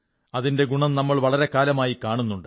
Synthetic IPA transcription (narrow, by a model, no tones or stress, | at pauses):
ɐðinde̞ɡuɳɐmnɐmːɐɭʋɐɭɐɾe̞kaːlɐmaːjikaːɳunːuɳɖɨ